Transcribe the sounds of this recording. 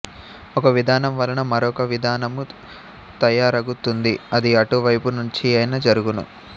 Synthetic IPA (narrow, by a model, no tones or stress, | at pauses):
ɔkɐʋid̪ʱaːnɐmʋɐlɐnɐmɐɾɔkɐʋid̪ʱaːnɐmu | t̪ɐjaːɾɐɡut̪ːund̪iɐd̪iɐʈuʋɐjpunuɲt͡ʃiɐjnɐd͡ʒɐɾuɡunṵ